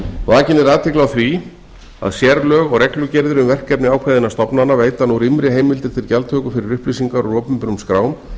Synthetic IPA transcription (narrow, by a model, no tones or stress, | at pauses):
vaːcɪnɪɾaːt̪ʰɪklawθvi | a̰ðsjɛɾlœːɣɔɣɾɛklʏcɛɾðɪɾʏmvɛr̥cːɛpnɪaːwkʰvajðɪnast̪ɔpnanaveːjt̪anuɾɪmɾɪɦeːjmɪlt̪ɪɾ̥t̪ʰɪlcalt̪ʰœːkʏfɪɾɪɾʏhplis̬iŋkaɾɔɣɾɔːpʏmpʏɾʏmskɾaːwm